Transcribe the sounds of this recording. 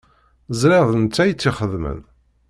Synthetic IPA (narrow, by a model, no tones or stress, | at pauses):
zɾɪðˤənt͡sːæjt͡sːiχəðmə̰n